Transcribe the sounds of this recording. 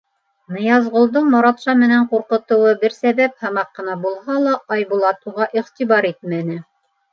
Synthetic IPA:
nɤ̆jɑzʁŏlˠd̪ɤɴmɑɾɑt̪ʃɑmɘ̆næɴquɾqɤ̆t̪ɤ̆wɤbɘɾsæβæp̚hɑmɑqːɤ̆nɑbulˠhɑlˠɑʔɑjbulˠɑt̪uʁɑʔiχt̪iβɑɾit̪̚mænɘ

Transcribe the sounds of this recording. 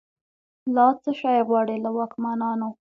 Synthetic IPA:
lɑt͡səʃɑjɣwɑɽelawɑkmɑnɑno

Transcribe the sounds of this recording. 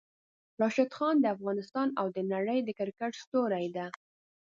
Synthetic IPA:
ɾɑʃad̪xɑnd̪əafɣɑnɪst̪ɑnawd̪ənaɽəjd̪əkɪɾkəʈst̪oɾajd̪a

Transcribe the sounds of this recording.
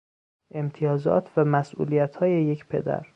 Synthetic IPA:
ʔe̞mt̪ʰijɒːzɒ̰ːt̪ʰvæmæsʔṵːlijæt̪ʰhɒːje̞je̞cʰpʰe̞̰d̪æ̰ɾ

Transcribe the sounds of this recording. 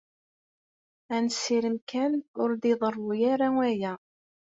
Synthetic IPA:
ænsːiɾəmkænʊɾd̪iðˤərˤːujaɾawæjæ

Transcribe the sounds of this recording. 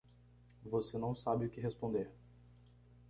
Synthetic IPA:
vosenɐ̃w̃sabɪʊkɪɦespõnd̪eɾ

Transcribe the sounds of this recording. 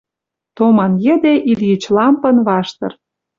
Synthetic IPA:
t̪omɑnjə̆d̪eʔiljət͡ɕlɑmpə̆nβɑʃt̪ɤ̆r

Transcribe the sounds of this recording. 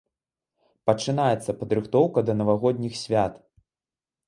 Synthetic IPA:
pɐt͡ʂɨnajɛt̪sːɐpɐd̪ɾɨxt̪ɔwkɐd̪ɐnɐvaɣɔd̪ʲnʲixsʲvʲat̪

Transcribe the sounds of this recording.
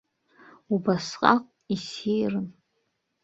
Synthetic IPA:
ubasqʼa̰qʷʼisijrɨn

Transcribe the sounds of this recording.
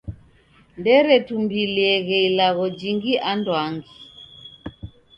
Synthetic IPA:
ndɛɾɛtumbiliɛɣɛilaɣɔd͡ʒiŋɡiʔandwaŋɡi

